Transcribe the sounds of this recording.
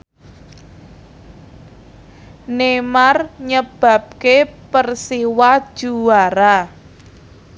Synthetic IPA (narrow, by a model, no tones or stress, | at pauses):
nemarɲəb̥a̤p̚kepərsiwad̥ʒ̥uwaɾa